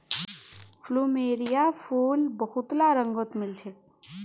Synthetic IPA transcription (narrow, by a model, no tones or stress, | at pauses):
pʰlumeɾijapʰulbəɦut̪laɾəŋɡot̪milt͡ʃʰe